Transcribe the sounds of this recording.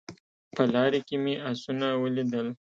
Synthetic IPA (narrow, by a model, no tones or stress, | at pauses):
pəlɑɾekemeasunawəlid̪əl